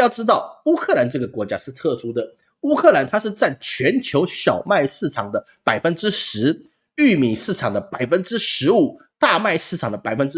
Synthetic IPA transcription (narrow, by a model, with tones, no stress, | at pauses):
jɑ˥˩ʊʈ͡ʂɻ̩˥t̪ɑ˥˩ʊu˥kʰɤ˥˩la˧˥nʈ͡ʂɤ˥˩ɡə˩kwɔ˧˥t͡ɕja̰˥ʂɻ̩˥˧t̪ʰɤ˥˩ʂu˥d̪ə˨ | u˥kʰɤ˥˩la˧˥nt̪ʰa˥ʂɻ̩˥˧t͡sa˥˩nt͡ɕʰɥɛ˧˥nt͡ɕʰjo˧˥ʊɕjɑ˨˩ʊma˥˧ɪʂɻ̩˥˩ʈ͡ʂʰɑ˨˩ŋd̪ə˦ | pa˨˩ɪfə˦˥nʈ͡ʂɻ̩˥ʂɻ̩˧˥ | y˥˩mi˨˩ʂɻ̩˥˩ʈ͡ʂʰɑ˨˩ŋd̪ə˦pa˨˩ɪfə˥nʈ͡ʂɻ̩˥ʂɻ̩˧˥u˨˩˦ | t̪a˥˧ma˥˧ɪʂɻ̩˥˩ʈ͡ʂʰɑ˨˩ŋd̪ə˧pa˨˩ɪfə˥nʈ͡ʂ